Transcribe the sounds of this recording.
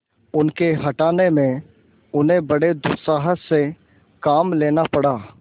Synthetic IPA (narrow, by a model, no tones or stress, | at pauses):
ʊnkeɦɐʈaːnemẽ | ʊnɦẽbɐɽed̪ʊt̪saːɦəsse | kaːmleːnapɐɽaː